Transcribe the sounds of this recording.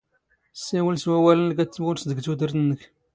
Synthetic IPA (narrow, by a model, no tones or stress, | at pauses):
sːæwəlswæwælənlk̬æt͡sːəwʊɾsd̪əɡt̪ud̪əɾt̪ənːək